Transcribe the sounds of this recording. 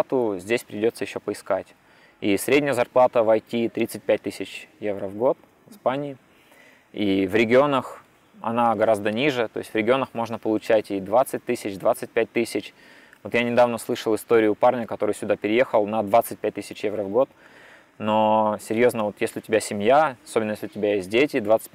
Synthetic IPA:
t̪ʊzʲdʲesʲpɾʲɪdʲo̞t̪səjɪɕːopəɪskatʲ | isɾʲedʲnʲəjəzɐrplˠat̪əvɐjtʲit̪ɾʲit̪sɨt̚ʲpʲæt̚ʲt̪ɨsʲɪt͡ɕjevɾəvɡo̞t̪ | vɪspanʲɪː | ivɾʲɪɡʲɪo̞nəx | ɐ̰naɡɐɾazd̪ənʲiʐɨt̪o̞ɪsʲtʲvɾʲɪɡʲɪo̞nəxmo̞ʐnəpəlˠʊt͡ɕætʲid̪vat̪sɨt̚ʲt̪ɨsʲɪt͡ɕd̪vat̪sɨt̚ʲpʲæt̚ʲt̪ɨsʲɪt͡ɕ | vo̞t̪janʲɪd̪avnəslˠɨʂəlˠɨst̪o̞ɾʲɪjʊparnʲəkɐt̪o̞ɾɨjsʲʊd̪apʲɪɾʲɪje̞xəlˠnɐd̪vat̪sɨt̚ʲpʲæt̚ʲt̪ɨsʲɪt͡ɕjevɾəvɡo̞t̪ | nosʲɪɾʲjo̞znəvo̞t̪jesʲlʲɪʊtʲɪbʲasʲɪmʲjasobʲɪnəjesʲlʲɪʊtʲɪbʲæjesʲt̚ʲdʲetʲɪd̪vat̪sɨ̥

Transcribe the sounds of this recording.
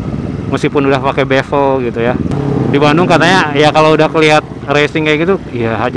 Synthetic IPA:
masipʊnudahpakebefɔlɡit̪ujadibanʊŋkat̪aɲajakaloudahkəliɦat̪̚resɪŋkajɡit̪uijaɦad͡ʒ

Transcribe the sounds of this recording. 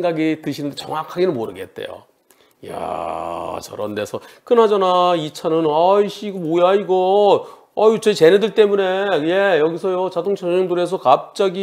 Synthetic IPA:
ŋɡaɡitɯɕʰinɯndet͡ɕʌŋakʰaɡenɯnmoɾɯ̰ɡe̞̰t̚t͈e̞̰jo̰ | ja̰ | t͡ɕʌ̰ɾʌ̰nde̞sʰʌk͈ɯnɦad͡ʑanait͡ɕʰanɯnʌiɕiɡomojaiɡʌ | ʌit͡ɕet͡ɕe̞nedɯɭt͈emune̞je̞jʌɡisʰʌjot͡ɕadoŋt͡ɕʰʌɯŋdɯɾe̞s̬ʰʌkap̚t͡ɕ͈aɡi

